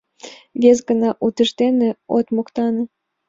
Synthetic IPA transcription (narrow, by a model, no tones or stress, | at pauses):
βʲezɡənɑʔut̪ə̆ʃt̪eneot̪mokt̪ɑnɤ̆